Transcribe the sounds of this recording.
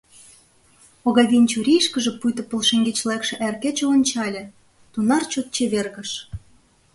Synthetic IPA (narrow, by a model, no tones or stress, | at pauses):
oɣɑd̪ʲinʲt͡ɕuɾʲijʃkə̆ʒĕpujt̪ŏpolʃeŋɡet͡ɕlekʃĕʔærket͡ɕĕonʲt͡ɕɑlʲĕ | t̪unɑrt͡ɕot̪̚t͡ɕeβerɣə̆ʃ